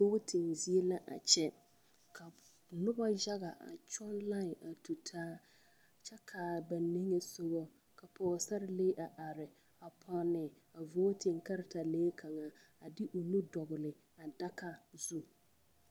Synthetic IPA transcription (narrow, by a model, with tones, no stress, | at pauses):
vo˦tʰɪ˨ŋzi˦e˦la˦ʔa̰˨t͡ʃɛ˦ | kʰa˨ | nʊ˦ba˦d͡ʒa˦ɣa˨ʔa̰˨t͡ʃɔ˦nla˦˨a˨tu˨tʰaː˦˨ | t͡ʃɛ˦kʰa˨ba˨nːe˦ŋe˨so˦ɣɔ˦ | ka˨pʰɔː˨ɣsa˦ɾɪ˦le˦ʔa˨ʔa˨ɾɪ˨ | a˨pʰɔ˦nɪ˨ | a˨voː˦tʰɪ˨ŋka˦ɾɪ˨ta˨leː˦kʰa˨ŋa˨ | a˨dɪ˦ʔo˨nu˦dɔ˨ɣʊ˨lɪ˨ | a˨da˦ka˨zu˦